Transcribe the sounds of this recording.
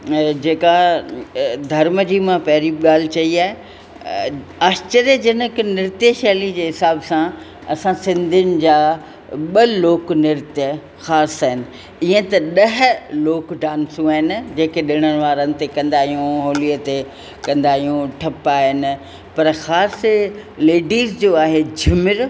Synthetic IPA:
d͡ʑeːka | d̪ʱɐɾməd͡ʑiːmãpɐɦɪɾiːɠaːl̤ɪt͡ɕɐiaːɦe | aːst͡ɕəɾjd͡ʑɪnəknɪɾt̪eʃəːlid͡ʑeːɦɪsaːbsã | ɐsãsɪ̃nd̪ʱʊnɪ̆d͡ʑaː | ɓɐloːknɪɾt̪jə | xaːsaːɪnɪ̆ | iə̃t̪ɐɗɐɦloːkɖãːnsũaːɦɪnd͡ʑeːkeɗɪɽ̃əñʋaːɾənɪ̆t̪ekɐ̃nd̪aːɦijũɦoːliət̪e | kɐ̃nd̪aːijũʈʰɐpaːɦɪnɪ̆ | pɐɾxaːs | leːɖiːzd͡ʑoːaːɦed͡ʑʱɪmɪɾ

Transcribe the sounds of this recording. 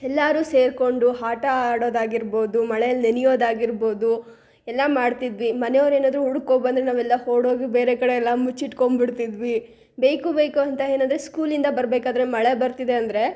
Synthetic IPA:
ɛlːaːɾuːse̞ːɾko̞ɳɖuɦaːʈaːɽo̞ːd̪aːɡiɾbo̞ːd̪umɐɭɛjɐlːinenijoːd̪aːɡiɾbo̞ːd̪u | ɛlːɐmaːɖt̪id̪ʋimɐnejoʋɾe̞ːnaːd̪ɐɾuuɽukːoːbɐnd̪ɾenaːʋɛlːɐhoːɽoːɡibeːɾekɐɽeɛlːɐmut͡ʃːiʈkombiɽt̪id̪ʋi | be̞ːkuːbeːkuɐnt̪ɐe̞ːnaːnd̪ɐɾeskuːlind̪ɐbɐɾbeːkaːd̪ɐɾemɐɭebɐɾt̪id̪eɐnd̪ɾe̞

